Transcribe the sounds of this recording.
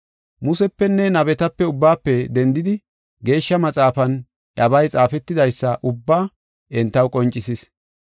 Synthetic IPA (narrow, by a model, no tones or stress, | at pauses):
mʊsɛpːɛnːɛnɐbɛt̪ɐpːɛʊbːaːpːɛd̪ɛnd̪ɪd̪ɪ | ɡe̞ːʃːɐmɐt͡sʼaːfɐn | ʔɐbɐjt͡sʼaːfɛt̪ːɪd̪ɐjsːɐʔʊbːaː | ʔɛnt̪ːɐwkʼɔnt͡ʃʼːɪsɪs